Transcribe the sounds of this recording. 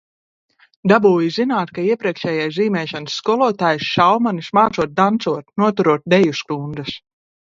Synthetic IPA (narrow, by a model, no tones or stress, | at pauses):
d̪abuːjizinaːt̪kaiɛpɾiɛkʃɛːjajziːmɛːʃansːkɔlˠɔːt̪aːjsʃawmanismaːt̪suɔt̪̚d̪ant̪suɔt̪nuɔt̪uɾuɔt̪̚d̪ɛjuskund̪ɨs